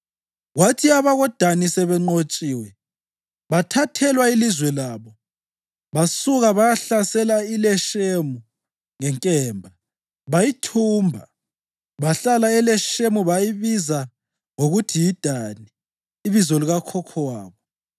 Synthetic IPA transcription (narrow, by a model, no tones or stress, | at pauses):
ɣwatʰiaβaɣɔd̥ʱanisɛβɛŋ͡ǃot͡ʃʼiːwɛ | βatʰatʰɛlwailizwɛlaːβɔ | βasuɣaβajaɬasɛlailɛʃemu | ŋɛŋkʼɛːmbʱa | βajitʰuːmbʱa̰ | βaɬalaɛlɛʃemuβajiβiza | ŋoɣutʰijid̥ʱaniː | βizɔliɣakʰɔkʰɔwaːβɔ